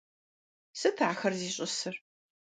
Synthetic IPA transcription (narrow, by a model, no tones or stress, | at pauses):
sɨtʰaːxɐrziːɕʼʊsɨr